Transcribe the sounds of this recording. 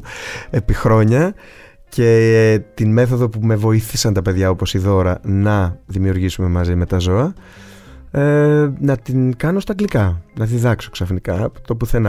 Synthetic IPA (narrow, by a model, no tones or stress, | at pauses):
e̞pixɾo̞ɲɐ | ce̞t̪inme̞θo̞ðo̞pume̞vo̞iθisɐnt̪ɐpe̞ðʝɐo̞po̞siðo̞ɾɐnɐðimiuɾʝisume̞mɐzime̞t̪ɐzo̞ɐ | nɐt̪iŋkɐno̞st̪ɐɡlikɐnɐðiðɐkso̞ksɐfnikɐt̪o̞puθen